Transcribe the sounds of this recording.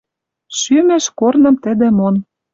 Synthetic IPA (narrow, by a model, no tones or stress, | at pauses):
ʃymeʃkornɤ̆mt̪ə̆d̪ĕmon